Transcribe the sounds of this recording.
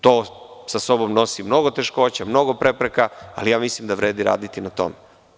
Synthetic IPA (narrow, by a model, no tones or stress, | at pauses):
t̪oː | saso̞bomno̞simno̞ɡo̞t̪eʃko̞ːt͡ɕamno̞ɡopɾe̞pɾekaa̰lijaːmislimd̪aʋɾeːd̪iɾa̰ːd̪it̪inat̪o̞̰me